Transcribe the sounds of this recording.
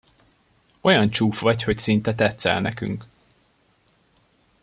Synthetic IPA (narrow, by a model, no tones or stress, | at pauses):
o̞jɒnt͡ʃuːfʋɒcho̞csint̪ɛt̪ɛt̪sɛ̰lnɛ̰ky̰ŋk